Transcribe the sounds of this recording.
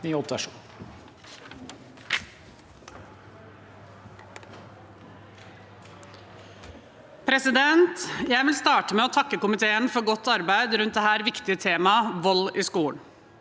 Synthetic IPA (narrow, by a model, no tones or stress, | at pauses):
nyːɔpɑʂṵːn | pʰɾɛsɪd̪ɛnt̪jæɪʋɪlst̪ɑːʈəmeːoːt̪ʰɑkːəkʊmɪt̪ʰeːənfɔɾɡɔt̪ːɑɾbæɪd̪ɾʉnt̪̚d̪ɛhæːɾʋɪkt̪ɪət̪ʰeːmɑʋɔliːskuːəɳ